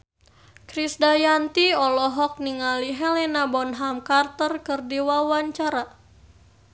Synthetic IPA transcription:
kɾisdajant̪iɔlɔɦɔk̚niŋaliɦɛlɛnabɔnɦamkart̪ərkɨrdiwawaɲt͡ʃaɾa

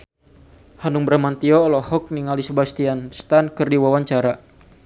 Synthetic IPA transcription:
hanuŋbəɾamant̪iɔːlɔhɔk̚niŋalisəbast̪ianst̪ankɨrdiwawaɲt͡ʃaɾa

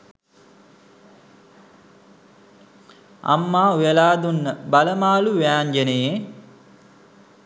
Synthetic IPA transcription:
a̰mːaːujelaːd̪unːəbaləmaːluʋæːnɡeneje

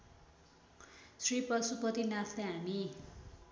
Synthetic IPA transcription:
sripʌsupʌt̪inat̪ʰleɦani

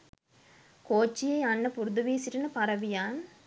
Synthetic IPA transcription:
koːt͡ʃːɪjɐɪɐnːɐpʊɾɯðɯʋiːsɪɾɐnɐpɐɾɐʋɪjaːn

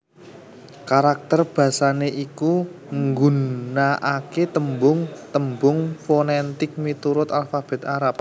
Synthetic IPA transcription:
kaɾak̚t̪ərb̥ä̤saneʔiku | ŋɡunnaʔaket̪əmbʊŋt̪əmbʊŋfonɛnt̪ɪk̚mit̪uɾʊt̪alfab̥ɛ̤t̪aɾap̚

